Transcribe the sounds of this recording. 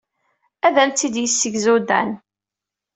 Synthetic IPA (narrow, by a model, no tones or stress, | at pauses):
æðæmt͡s̪ːid̪jisːəʝzud̪æ̰n